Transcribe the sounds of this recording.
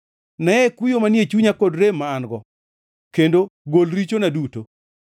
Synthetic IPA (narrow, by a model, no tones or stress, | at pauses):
nɛɛkujomanjet͡ʃuɲakodɾemːaːnɡɔ | kendoɡolɾit͡ʃonaduto